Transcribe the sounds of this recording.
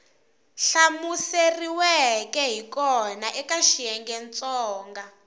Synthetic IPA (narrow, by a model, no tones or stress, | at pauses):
ɬamuseriwɛkɛɦikɔnaʔɛkaʃiɛŋɡɛnt͡sʼɔːŋɡa